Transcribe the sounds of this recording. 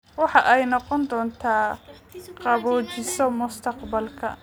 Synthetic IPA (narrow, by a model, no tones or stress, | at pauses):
wɑħɑʔɛjnɔqɔnd̪ɔːnt̪ʰaː | qɑβɔːt͡ʃɪsɔmʊst̪ʰɐqbɐlkʰɐ̰